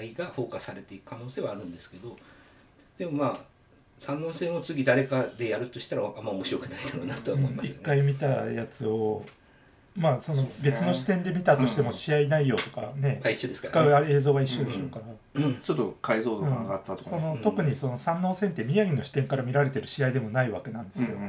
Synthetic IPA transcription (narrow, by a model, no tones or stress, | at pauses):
iɡaɸo̞ːkasaɾe̞t̪e̞ikɯ̥kʰano̞ːse̞ːβaːɾɯ̟̃nd̪esɨ̥ke̞d̪o̞ | d̪̥e̞mo̞maː | sãnːo̞ːsẽ̞o̞t͡sɨɡʲid̪aɾe̞kad̪e̞jaɾɯ̟t̪ːoɕi̥t̪aɾaamːaomoɕiɾo̞kɯ̟naid̪aɾonat̪oβãoimait̪k̪ːaimʲit̪ajat͡sɨo̞ | maːso̞no̞be̞t͡sɨno̞ɕi̥t̪ẽ̞nd̪e̞mʲit̪at̪o̞ɕi̥t̪e̞mo̞ɕiainaijo̞ːt̪o̞̥ka̰ne̞aiɕːod̪eskɨkaɯae̞ːzoːβaiɕːo̞d̪e̞ɕo̞ːkaɾa | ɯ̃t͡ɕot̪ːokʰaizo̞ːd̪oɯ̃ɡat̪ːat̪okso̞no̞t̪o̞kɯ̟ɲ̟iso̞no̞sãnːo̞ːsẽ̞nt̪e̞mʲijaɡʲino̞ɕi̥t̪ẽ̞ŋkaɾamʲiɾaɾe̞t̪e̞ɾɯ̟ɕiaid̪e̞mo̞naiβake̞nãnd̪e̞sɨjo̞